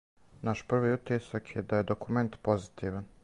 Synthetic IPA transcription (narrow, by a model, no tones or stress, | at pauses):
naʃpr̩ʋiut̪isakʰjed̪aje̞d̪okume̞nt̪po̞zit̪iːʋan